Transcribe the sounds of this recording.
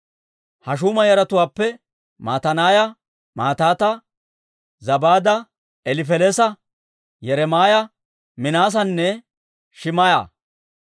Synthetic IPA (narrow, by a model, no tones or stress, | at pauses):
hɐʃ̬uːmɐjɐɾɐt̪ʊwaːpːɛ | maːt̪ɐnaːjɐ | maːt̪aːt̪ɐ | zɐbaːd̪ɐ | ɛlɪfɛlesɐ | jɛɾɛmaːjɐ | mɪnaːs̬ɐnːɛ | ʃɪmɐja̰ː